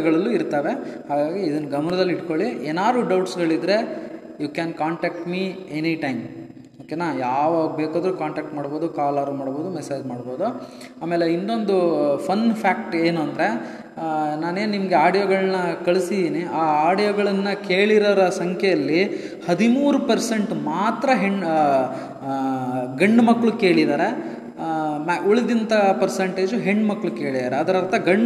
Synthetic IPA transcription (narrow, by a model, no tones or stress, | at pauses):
ɡɐɭɐlːuiɾt̪ɐʋe̞haːɡaːɡiːd̪ɐnːɐɡɐmɐnɐd̪ɐlːiiʈko̞ɭieːnaːɾuːɖɐwʈsɡɐɭid̪ɾe̞ | jukɛːnkaːɳʈaːk̚ʈmieniʈɐjm | oːkenaːjaːʋaːɡubeːkaːd̪ɐɾukaːɳʈaːk̚ʈmaːɽboːd̪ukaːlɐɾumaːɽbo̞ːd̪umɛseːd͡ʒmaːɽbo̞ːd̪u | aːmeːleint̪o̞nd̪upʰɐnpʰaːk̚ʈe̞ːnuɐnd̪ɾe̞ | naːne̞ːnnimɐɡeaːɽijoɡɐɭɐnːɐkɐɭisid̪iːniaːaːɽijɔɡɐɭɐnːɐkeːɭiɾɐɾɐsɐŋkʰɛjɐlːi | hɐd̪imuːɾupɐɾse̞ɳʈmaːt̪ɾɐɦeɳɖ | ɡɐɳɖmɐkːɭuke̞ːɭid̪aːɾe̞ | mʔuɭid̪int̪ɐpɐɾseɳʈe̞ːd͡ʒuɦe̞ɳɖmɐkːɭuke̞ːɭid̪aːɾeɐd̪ɐɾɐɾt̪ʰɐɡɐɳː